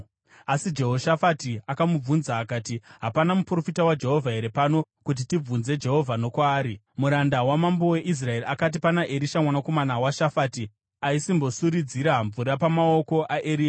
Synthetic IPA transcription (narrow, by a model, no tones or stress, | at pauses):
asid͡ʒe̞ɦo̞ʃafatiakamub͡vunzaːkaːtiɦapanamupro̞fitawad͡ʒe̞ɦo̞vʱaɦe̞ɾepano̞kut̬itib͡vunze̞d͡ʒe̞ɦo̞vʱano̞kwaːɾi | muɾandawamambo̞we̞ʔis̬rae̞riakat̬ipanaʔe̞ɾiʃamwanako̞manawaʃafati | aisimbo̞suɾid͡ziɾaɱvuɾapamao̞ko̞ʔaʔeɾiːa